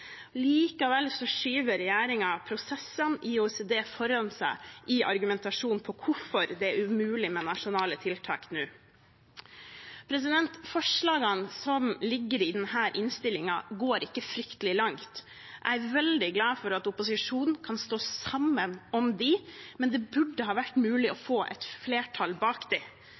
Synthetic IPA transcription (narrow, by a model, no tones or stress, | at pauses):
liːkɑʋɛlsɔʂyːʋəɾɛjæːɾɪŋɑpʰɾʊsɛsːənɪusɛd̪eːfɔɾɑnsæ̰ɪʔɪʔɑ̰ɾɡʉmɛnt̪ɑʂuːnpʰɔkʰʊfɔɾd̪ɛæɾʉmʉːlɪmɛnɑʂʊnɑːlət̪ʰɪlt̪ʰɑ̰ːknʉː | pʰɾɛs̬ɪd̪ɛnt̪fɔʂɭɑːɡɑnsɔmlɪɡːəɾɪd̪ɛnhæːɾʔɪnst̪ɪlɪŋɑɡoːɾɪkːəfɾʏkt̪əlɪlɑŋt̪ | ʔæ̰ɪæɾʋɛld̪ɪɡlɑːfɔɾɑt̪ʊpʊsɪʂuːnn̩kʰɑnst̪oːsɑmːənɔmd̪ɪmɛnd̪ɛbʉɖːəhɑːʋæʈːmʉːlɪɔfoːʔɛ̰t̪fleːʈʰɑlbɑːkd̪ɛ